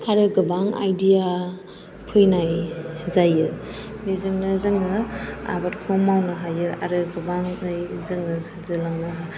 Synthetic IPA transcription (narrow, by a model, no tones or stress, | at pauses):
aɾɯɡɯbaŋa̰jdija | pʰɯjnajzajɯbizɯŋnɯzɯŋɯa̰batkʰɔmawnɯɦajɯa̰ɾɯɡɯbaŋɯjzɯŋɯsaɾzɯlawnɯɦa